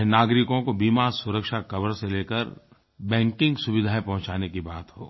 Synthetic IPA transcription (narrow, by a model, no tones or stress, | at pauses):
ɦnaːɡɾɪkõkobiːmaːɾsʊɾəkʃakɐbəɾseleːkəɾ | bɛ̃ːŋkɪ̃ŋɡsʊbɪd̪ʱaːepɐɦʊ̃t͡ʃaːnekibaːt̪ɦo̰ː